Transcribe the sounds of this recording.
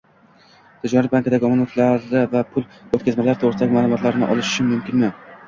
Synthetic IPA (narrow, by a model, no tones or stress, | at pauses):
t̪ʰʊd͡ʒanɾat̪̚baŋkad̪aɡʲɪɒmanot̪laɾɪvapʰʊlˠot̪kʲʰazmalaɾɪt̪ʰoʁɾɪsd̪aɡʲɪmaːlˠʊmɒt̪laɾnɪʔɒ̰lɪʃʃɪmʊmkʲɪnmɪ